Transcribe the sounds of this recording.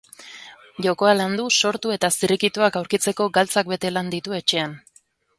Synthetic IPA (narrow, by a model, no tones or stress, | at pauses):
ʝo̞ko̞aland̪uso̞ɾt̪ue̞t̪asiɾikit̪uakawɾkit͡se̞ko̞ɡalt͡sak̚be̞t̪e̞land̪it̪ue̞t͡ʃe̞an